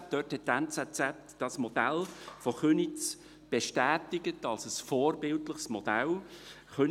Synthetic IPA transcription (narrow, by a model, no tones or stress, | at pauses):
d̥œːthɛt̚tɛnt͡sɛt͡sɛt | d̥ɑsmɔd̥ælfoχønit͡s | b̥eʃtæːtɪɡətɑlsəsfɔːrbɪltləχsmɔd̥̪æl | χø